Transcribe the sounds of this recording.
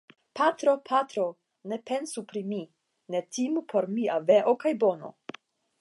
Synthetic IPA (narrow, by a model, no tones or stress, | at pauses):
patɾo̞pʰatɾo̞ | ne̞pe̞nsupɾimi | ne̞timpʰo̞ɾmiaveʔokajbo̞no̞̰